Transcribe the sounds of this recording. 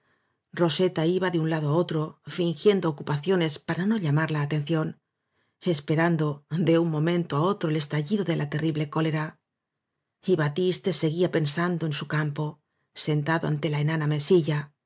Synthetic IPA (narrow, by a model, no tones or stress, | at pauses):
ro̞se̞t̪aiβaðeunlaðoao̞t̪ɾo̞fiŋxje̞nd̪oːkupaθjo̞ne̞spaɾano̞ʎamaɾlaːt̪e̞nθjo̞n | e̞spe̞ɾand̪o̞d̪e̞uŋmõ̞mẽ̞nt̪oao̞t̪ɾo̞ele̞st̪aʎiðo̞ðe̞lʔat̪e̞riβle̞ko̞le̞ɾa | iβat̪ist̪e̞se̞ɣiape̞nsand̪o̞e̞nsukampo̞ | se̞nt̪aðoa̰nt̪e̞laenaname̞siʝa